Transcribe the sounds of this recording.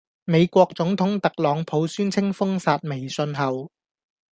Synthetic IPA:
me˨˧jkʷɔː˧k̚t͡sʊ˨˥ŋt̪ʰʊ˨˥ŋt̪ɐ˨k̚lɔː˨˧ŋpʰo˨˧wsyː˥nt͡sʰɪ˥ŋfʊ˥ŋsaː˨˧t̚me˨˩jsɵ˧nɦɐ˨w

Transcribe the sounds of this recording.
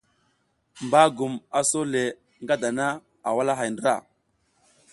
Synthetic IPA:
mba˦ɡu˨ma˨so˦le˨ | ŋɡa˦da˨na˦ | a˨wa˦la˦ɦa˨jndɾa̰˦˨

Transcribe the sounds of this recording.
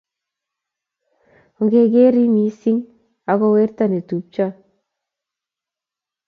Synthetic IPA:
ɔ˨ŋɡe˨ɡe˦ɾi˦mi˨si˦ŋ | a˨ɡɔ˧we˦ɾta˨ne˨tu˨p̚t͡ʃa˦

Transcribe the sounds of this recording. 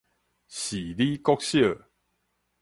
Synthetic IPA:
ɕi˨˩li˦kɔ˦k̚ɕjə˥˨

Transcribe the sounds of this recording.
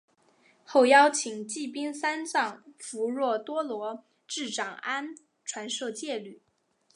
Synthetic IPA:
xo˥˩ʊjɑ˥ʊt͡ɕʰi˨˩ŋt͡ɕi˥˩pi˥ŋsa˥nt͡sɑ˥˩ŋfu˧˥ɻwɔ˥˩t̪wɔ˥lwɔ˧˥ | ʈ͡ʂɻ̩˥˩ʈ͡ʂɑ˨˩ŋa˥n | ʈ͡ʂʰwa˧˥nʂɤ˥˧t͡ɕjɛ˥˩ly˨˩˦

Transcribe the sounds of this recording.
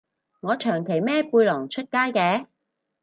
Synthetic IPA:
ŋɔː˨˧t͡ʃʰœː˨˩ŋkʰe˨˩jmɛː˥puː˧jlɔː˨˩ŋt͡ʃʰɵ˥t̚kaː˥jkɛː˧

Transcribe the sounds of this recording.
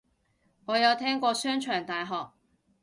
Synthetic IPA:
ŋɔː˨˧jɐ˨˧wt̪ʰɛː˥ŋkʷɔː˧sœː˥ŋt͡ʃʰœː˨˩ŋt̪aː˨jɦɔː˨˩k̚

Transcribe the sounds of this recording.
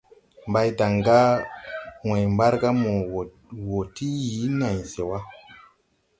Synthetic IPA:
mba˦jta˨ŋɡa˦ | we˨jmba˦ɾɡa˦mo˨ | wo˨ti˦ji˨˦na˨jse˨wa˦

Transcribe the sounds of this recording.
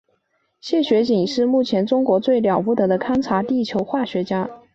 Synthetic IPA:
ɕjɛ˥˩ɕɥɛ˧˥t͡ɕi˨˩ŋʂɻ̩˥˧mu˥˩t͡ɕʰjɛ˧˥nʈ͡ʂʊ˥ŋkwɔ˧˥t͡swe˥˩ɪljɑ˨˩ʊpu˥˩t̪ɤ˧˥d̪ə˧kʰa˥nʈ͡ʂʰa˧˥t̪i˥˩t͡ɕʰjo˧˥ʊxwa˥˩ɕɥɛ˧˥t͡ɕja˥

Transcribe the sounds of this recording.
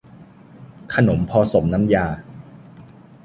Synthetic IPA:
kʰa˧no˩˦mpʰɔː˧so˩˦mna˦˥mjaː˧

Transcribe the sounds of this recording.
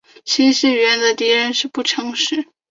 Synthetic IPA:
t͡ɕʰi˧˥ɕi˥˩ɥɛ˧˥nd̪ə˨t̪i˧˥ɻə˧˥nʂɻ̩˥˧pu˥˩ʈ͡ʂʰɤ˧˥ŋʂɻ̩˧˥˦

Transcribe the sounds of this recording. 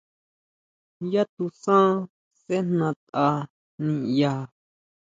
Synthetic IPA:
ja˦t̪u˧sã˦ | se˦n̥nã˧t̪ʔa˧ | nĩ˧ja˧

